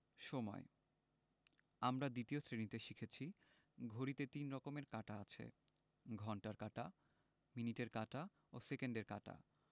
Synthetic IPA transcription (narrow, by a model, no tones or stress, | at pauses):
ʃɔmɔ̰e | amɾad̪it̪iosɾenit̪eʃikʰet͡ɕʰi | ɡʱoɾit̪et̪inɾɔkomeɾkaʈaat͡ɕʰḛ | ɡʱɔɳʈaɾkaʈa | miniʈeɾkaʈa | osekeɳɖeɾkaʈa̰